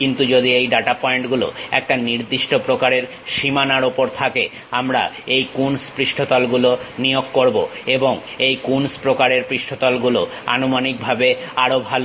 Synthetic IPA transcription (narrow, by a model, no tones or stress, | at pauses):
kint̪ud͡ʑod̪iejɖaʈapɔeɳʈɡulo̰ɛ̰k̚ʈaniɾd̪iʃʈopɾokaɾeɾ | ʃimanaɾopoɾt̪ʰake | amɾa̰ejkunspɾiʃʈʰot̪alɡulonijoɡːoɾbo̰eboŋ | ejkunspɾokaɾeɾpɾiʃʈʰot̪ɔlɡuloa̰numanik̚bʱabeaɾobʱalo